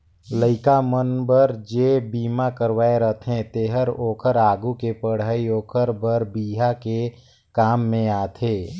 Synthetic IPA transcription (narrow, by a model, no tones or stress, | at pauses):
ləɪkamənbəɾd͡ʒeːbiːmakəɾʋaːeɾət̪ʰɦɛ̃t̪eːɦəɾoːkʰəɾaːɡukepəɽ̤aːioːkʰəɾbəɾbiːɦake | kaːmːẽaːt̪ʰeː